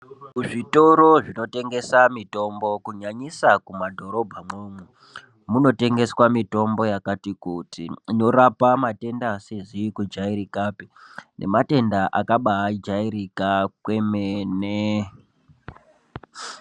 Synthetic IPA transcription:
kuʐito̞ɾo̞ʐino̞te̞ŋɡe̞samito̞mbo̞kuɲaɲisakumadʱo̞ɾo̞bʱamoːmwe | muno̞te̞ŋɡe̞swamito̞mbo̞jakatikutino̞ɾapamate̞ndasezikud͡ʒaiɾikaːpinʔe̞̰mate̞ndaʔakaɓaːd͡ʒaiɾikakwe̞mene

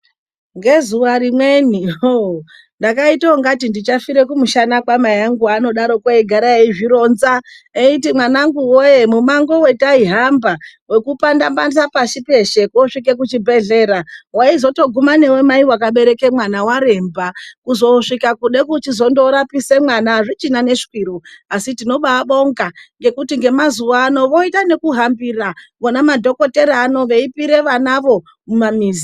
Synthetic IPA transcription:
ŋɡe̞zuwaɾimwenio | ndakaitaoŋɡatindit͡ʃafiɾe̞kumuʃanakwamajaŋɡuano̞ɗaɾo̞kwaiɡʱaɾaeiʐiɾo̞nzaeitimwanaŋɡuwoje̞mumaŋɡo̞we̞taiɦambawe̞kupandambandisapaʃipe̞ʃekuoʂik̬ek̬ut͡ʃibʱe̞ɮe̞ːɾawaizo̞to̞ɡʱumane̞we̞maiwak̬aɓe̞ɾe̞ke̞mwanawaɾe̞mbakuzo̞ʂikakuɗekut͡ʃizo̞ndoɾapise̞mwanaʐit͡ʃinane̞ʂi̥kwiɾoasitino̞ɓaɓo̞ŋɡaŋɡe̞kutiŋɡe̞mazuʋaːno̞ʋo̞itane̞kuɦambiraʋonamadʱo̞ko̞te̞ɾaːno̞ʋe̞ipiɾe̞ʋanaʋo̞ | mumamiːzi

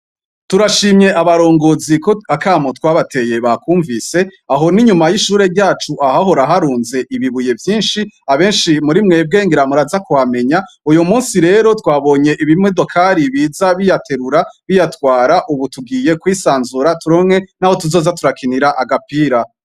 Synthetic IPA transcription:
tuɾaʃiːmɲe̞ʔaβaɾo̞ːŋɡo̞zikoakaːmotwaːβate̞je̞βakuːɱvise̞aɦo̞niɲumajiʃuːɾe̞ɾɟaːt͡ʃuʔaɦaɦo̞ɾaɦaɾuːnze̞ʔiβiβuje̞vjiːnʃiaβe̞ːnʃimuɾimŋe̞b̚ɡe̞ːŋɡeɾamuɾazakuame̞ɲaujumuːnsiɾe̞ːɾo̞twaːβo̞ːɲe̞ʔiβimŋedo̞kʰaɾiβiːzaβijatʰe̞ɾuɾaβijatwaːɾaʔuβutuɡiːje̞kwiːsaːnzuɾatuɾomŋe̞naho̞tuzo̞ːzatuɾakʰiniɾaʔaɡapiːɾa

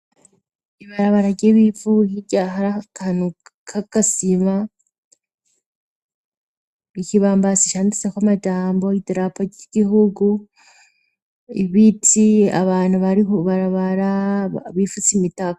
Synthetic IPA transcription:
iβaɾaβaɾaɾɟeβifuhiɟaɦaɾakanukʰakasima | ikiβaːmbasiʃaːndisekwamad͡ʒaːmbo̞idɾapoɟiɟiɦuɡu | ḭβitʰia̰βaːnuβaɾioβaɾaβaɾaβifut͡simitaka

